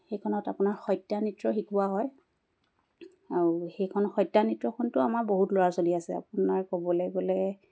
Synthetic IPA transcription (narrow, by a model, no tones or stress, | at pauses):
xejkʰɔnɔtapʊnaɹxɔjtːanitɹɔxikuwaɦɔj | aɹuxejkʰɔnɔxɔjtːanitɹɔkʰɔntʊamaɹboɦutlɔɹasoliasɛa̰pʊnaɹkɔbɔlɛɡolɛ